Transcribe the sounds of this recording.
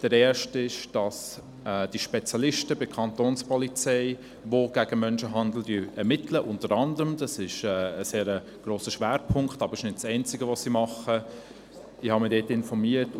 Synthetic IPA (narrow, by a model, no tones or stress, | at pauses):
d̥əɾɛːʃtɪʃd̥ɑs | ɛd̥iʃpɛt͡sjɑlɪʃtəbɪkʰɑntoːnspʰɔlit͡sɛɪ | ʋoɡ̥æɡ̥əmœnʃəɦɑnd̪l̩dyːɛɾmɪtʰləʔʊntəɾɑndəɾəmdɑsɪʃɛːseːɾə | ɡ̥ɾoːsəʃʋæːɾpʰʊŋktɑːbəɪʃnɪt̚t͡sɛɪnt͡sɪɡəʋosimɑχə | ɪhɑmɪdeːtɪnfɔɾmiət